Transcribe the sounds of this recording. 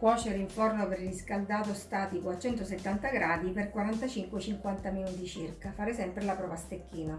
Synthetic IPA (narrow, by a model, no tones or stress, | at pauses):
kwɔːt͡ʃeɾeiɱfornopeɾliskald̪aːt̪ost̪aːt̪ikoat͡ʃːɛnt̪oset̪ːant̪aɡɾaːd̪iperkwaɾant̪at͡ʃiŋkwet͡ʃiŋkwant̪aminut̪it͡ʃirkafaːɾesɛmpɾelapɾɔːvast̪ekːiːna